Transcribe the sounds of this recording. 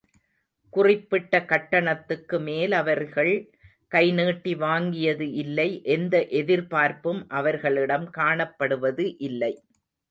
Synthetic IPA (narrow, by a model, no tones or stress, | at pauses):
kʊrɪpːɪʈːɐkɐʈːɐɳɐt̪ːɯkːɯmeːlɐʋɐɾɣɐɭ | kɐɪneːʈːiʋaːŋɡɪjɐðɯʔɪlːɐɪʔɛnd̪ɐʔɛðɪɾpaːɾpɯmʔɐʋɐɾɣɐɭɪɽɐmkaːɳɐpːɐɽɯʋɐðɯʔɪlːɐɪ